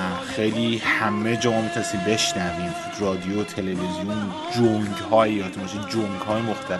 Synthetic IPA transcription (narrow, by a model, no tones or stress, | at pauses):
xejliːhæmːed͡ʒɒːmɔmit̪ʰæsiːmbe̞ʃnæviːm | rɒːd̪ijot̪ʰe̞le̞vezijon | d͡ʒoŋɡhɒːjejɒːt̪ʰimɒʃid͡ʒoŋɡhɒːjemoxt̪ʰæl